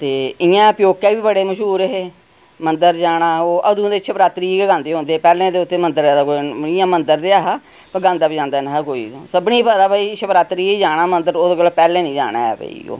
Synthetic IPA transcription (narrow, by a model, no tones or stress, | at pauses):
t̪eːɪjãːpjoːkːaːʋiːbəɽeːməʃuːɾəɦeː | mənd̪əɾd͡ʒaːɽaːoːʔəd̪ũːd̪eɪt͡ʃːʃʰəpɾaːt̪ɾiːɡeɡãːnd̪eːɦʊ̃nd̪eːɛːpɛːlẽːd̪eːʊt̪ːeːmənd̪əɾːd̪aːkoːiɪjãːmənd̪əɾd̪eːaːɦa | pəɡãːnd̪aːbiːd͡ʒãːnd̪aːnaɦkoːḭːsəbnĩːpəd̪aːbəiːʃəpɾaːt̪ɾiːed͡ʒaːɽ̃aːmənd̪əɾoːd̪eːɡəlːpɛːlẽːnĩːd͡ʒa̰ːɽ̃a̰ːɛ̰ːbə̰ḭo̰ː